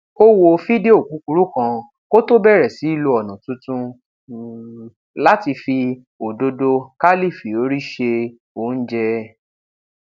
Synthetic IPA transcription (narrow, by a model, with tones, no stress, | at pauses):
o˦wo˧fi˦de˦o˦˨ku˨˦ku˧ɾu˦kã˧ | ko˦to˦bɛ˦˨ɾɛ˨si˨˦i˦˨lo˧ɔ˨nũ˨tũ˦tũ˧ | la˦ti˧fi˧ | o˨do˧do˧ka˦li˦˨fi˨o˨˦ɾi˦ʃe˧ | o˨˦˨n̩˦d͡ʒɛ˧